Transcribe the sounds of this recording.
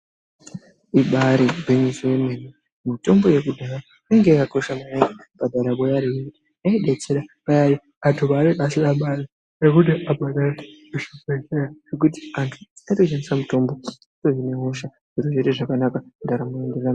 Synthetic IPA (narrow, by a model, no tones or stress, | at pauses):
iɓaɾibʱeɲisowemeni | mito̞mbo̞je̞kudʱaɾa | iŋɡeakako̞ʃamajee | ɓ̥adʱaɾaɓojaɾijti | aiɗet͡seɾaɓajaɾi | atʰoβaɾeʔasiaɓaɾi | ekutiʔabaɗaɾeeʃipeʃeɾaʐ̥ek̬uti̥antʰu̥aito̞ʃanisamuto̞mbo̞ | itoʐineɦoʃa | ʐiɾoʐeteʐakanakandaɾamue̞ndera